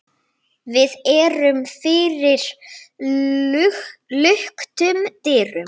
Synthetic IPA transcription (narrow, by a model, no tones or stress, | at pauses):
vɪðɛɾʏmfɪɾɪɾ̥ | lʏhkt̪ʏmt̪ɪːrʏm